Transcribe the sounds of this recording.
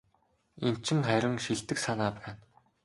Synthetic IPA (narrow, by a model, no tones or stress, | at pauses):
en̥t͡ɕɪ̆ŋχæɾʲɪ̆ŋʃiɮt̪ɘ̆ksanaːpæːn